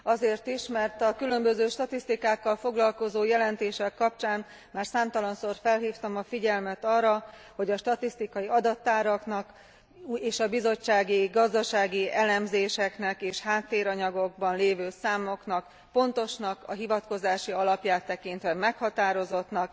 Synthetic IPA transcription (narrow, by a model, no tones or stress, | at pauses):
ɒzeːrt̪iʃmɛrt̪ɒkylø̞mbøzøːʃt̪ɒt̪ist̪ikaːkːɒlfo̞ɡlɒlko̞zoːjɛlɛnt̪eːʃɛkːɒp̚t͡ʃaːn | maːrsaːmt̪ɒlɒnsoːrfɛlɦiːft̪ɒmɒfiɟɛlmɛt̪ɒːrːɒ | ho̞ɟɒʃt̪ɒt̪ist̪ikɒjiɒd̪ɒt̪ːaːɾɒknɒk | eːʃɒbizo̞t͡ʃːaːɡiɡɒzd̪ɒʃaːɡiɛlɛmzeːʃɛknɛkeːʃhaːt̪ːeːɾɒɲɒɡo̞ɡ̚bɒnleːvøːsaːmo̞knɒk | po̞nt̪o̞ʃnɒkʰɒ̰ɦivɒt̪ko̞zaːʃiɒlɒpjaːt̪ːɛkint̪ʋɛmɛkhɒt̪aːɾo̞zo̞t̪nɒk